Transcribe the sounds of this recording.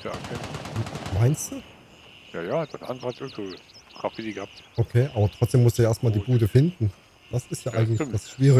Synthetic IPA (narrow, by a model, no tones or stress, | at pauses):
ja̰okʰeːmaɪnst̚d̥uː | ja̰ːjaːd̥anʔa̰ndʁəhatʔɪɡŋtvoːɡ̥ʁ̥afidiɡəhap̚tʔokʰeːʔaːbɐtʁ̥ɔt͡sd̥eːmʊstd̥uːaʔeɐstmaːldiːbuːdəfɪndn̩ | d̥asɪstjaːʔaɪɡŋ̩tlçd̥asʃv̥iːʁɪ